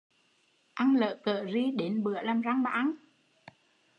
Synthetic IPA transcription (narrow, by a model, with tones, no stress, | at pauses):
ʔa˧ŋlə̰ː˧˨kəː˧˨zi˧ɗe˨˦nɓɨ˧˩əlaː˨˩mza˧ŋɓa̰ː˨ʔa˧n